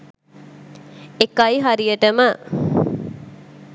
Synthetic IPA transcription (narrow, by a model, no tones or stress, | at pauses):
ekaiɦaɾijəʈəmə